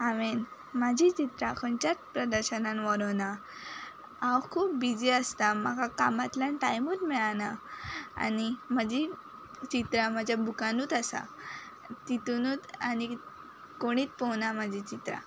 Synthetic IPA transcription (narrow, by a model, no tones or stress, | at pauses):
aʋen | mad͡ʑʱit͡ɕit̪ɾakʰɔnt͡ɕat͡spɾəd̪əɾɕənanʋɔɾɔna | awkʰuːp̚bid͡ʑiəst̪amaɡʱakamat̪ljanʈajmuːt̪mɛɭanaa̰niməd͡ʑʱi | t͡ɕit̪ɾaməd͡ʑʱjabʱukanuːt̪asa̰ | t̪it̪unuːt̪ani | koɽ̃iːt̪pɔwnamad͡ʑʱit͡ɕit̪ɾa̰